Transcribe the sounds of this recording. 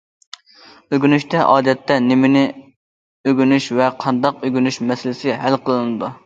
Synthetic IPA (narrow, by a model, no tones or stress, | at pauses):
øɡʲynyʃt̪ɛʔɑːd̪ɛt̪ʰːɛnɪmɪnɪ | øɡʲynyʃvɛqʰɑnd̪ɑqøɡʲynyʃmɛsɪlɪsɪɦɛlqʰəlˠɨnɨd̪u